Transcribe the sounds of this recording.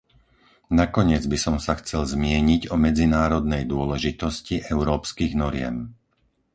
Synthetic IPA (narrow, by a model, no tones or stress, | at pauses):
nakɔɲɪɛd͡zbisɔmsaxt͡sɛlzmɪɛɲiɟɔmɛd͡zinaːɾɔd̪nɛjd̪ʊɔlɛʒit̪ɔsciʔɛʊɾɔːpskiːɣnɔɾɪɛ̰m